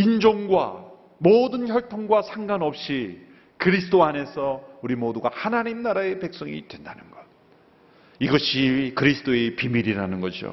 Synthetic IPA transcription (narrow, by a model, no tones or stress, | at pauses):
ind͡ʑʌŋɡwa̰ | modɯnçjʌɭtʰoŋɡwasʰaŋɡanʌp̚ɕ͈i | kɯɾisʰɯt͈oane̞sʰʌuɾimoduɡahanaɲimnaɾae̞pe̞k̚s͈ʌŋḭd̥we̞ndanɯnɡʌd̚ | iɡʌɕʰikɯɾisʰɯ̥t͈oepimiɾiɾanɯnɡʌd͡ʑio̰